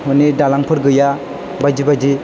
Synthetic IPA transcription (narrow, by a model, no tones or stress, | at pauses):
hunidalaŋpʰɯɾɡɯja | bajd͡ʒibad͡ʒi